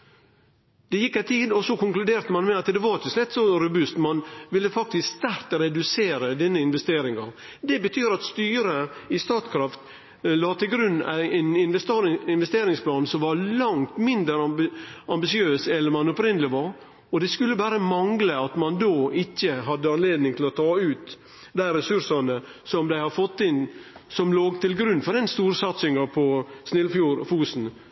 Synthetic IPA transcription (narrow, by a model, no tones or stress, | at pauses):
d̪ɛjɪkːæɪt̪ʰiːd̪ɔsɔkʊŋklʉd̪eːɾt̪əmɑnmɛɑt̪d̪ɛʋɑɾt̪ʰɪslɛt̪ːsɔɾʉbʉst̪mɑnʋɪlːəfɑk̚t̪ɪskst̪æɾt̪ɾɛd̪ʉseːɾəd̪ɛnːəɪnʋɛst̪eːɾɪŋɑɾ | d̪ɛbət̪ʰyːɾɑt̪st̪yːɾəɪst̪ɑːt̪kʰɾɑft̪ | lɑːt̪ɪlɡɾʉnːæ̰ɪnɪnʋst̪ːɪnʋɛst̪eːɾɪŋspʰlɑːnsɔmʋɑɾlɑŋt̪mɪnd̪əɾɑmbɪsɪøːsɛlːəɾmɑnɔpɾɪnəlɪʋɑɾ | ɔd̪ɛskʉlːəbæːɾəmɑŋləɑt̪mɑnd̪oːɪçːəɦɑd̪ːəɑnleːd̪nɪŋt̪ʰɪlɔt̪ʰɑːʉːt̪ | d̪æɪɾɛsʉɾsɑnə | sɔmd̪æɪhɑfɔt̪ːɪnsɔmloːɡt̪ʰɪlɡɾʉnːfɔɾæɪnst̪uːɾsɑt̪sɪŋɑpʰɔsnɪlfjuːɾfuːsn̩